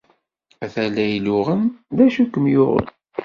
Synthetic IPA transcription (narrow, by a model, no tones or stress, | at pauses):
æθælæjlʊʁənðæʃukːəmjʊʁə̰n